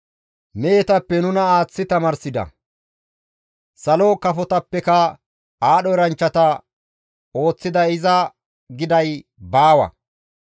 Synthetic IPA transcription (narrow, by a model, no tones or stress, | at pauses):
mejɛt̪ɐpːɛnʊnɐaːt͡sːɪt̪ɐmɐɾsɪd̪ɐ̰ | sɐlokɐfɔt̪ɐpːɛkɐ | aːɗɔɪɾɐnt͡ʃːɐt̪ɐ | o̞ːt͡sːɪd̪ɐɪzɐ | ɡɪd̪ɐjbaːwɐ̰